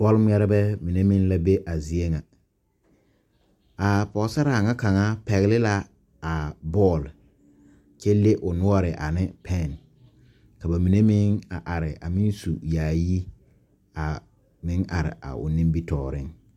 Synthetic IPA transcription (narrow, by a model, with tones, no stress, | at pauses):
b̥ɔ˦lm˦ɛ˦ɾɛ˦bɛ˦mi˨ne˦mɪ˦nla˦be˦ʔa˨zi˨e˦ŋa˨ | a˨pɔ˨˦sa˦ɾa˦˨a˨ŋa˦ka˨ŋa˦pɛ˨ɣɪ˦lɪ˦la˦ | a˨bɔː˦˨l | t͡ʃɛ˦le˦ʔʊ˨nʊ˦ɔ˦ɾɪ˨ʔa˨nɪ˦pʰɛ˦˨n | ka˨ba˨mi˨ne˦mɪ˦ŋa˨ʔa˨ɾɪ˨ʔa˨mɪ˦nsu˨jaː˨ji˦ | a˨ | mɪ˦ŋʔa˨ɾɪ̰˨ʔa̰˨ʊ̰˨nɪ̃˦mbi˦tɔː˨ɾɪ˦ŋ